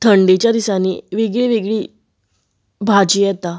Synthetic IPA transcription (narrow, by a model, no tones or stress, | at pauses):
t̪ʰəɳɖit͡ɕjad̪isaniːʋiɡɭiʋiɡɭiː | bʱad͡ʑiːjɛt̪a